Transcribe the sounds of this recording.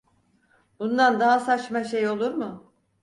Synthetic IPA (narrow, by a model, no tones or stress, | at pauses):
b̥und̪and̪aɦasat͡ʃmaʃe̞jo̞lˠuɾmʊ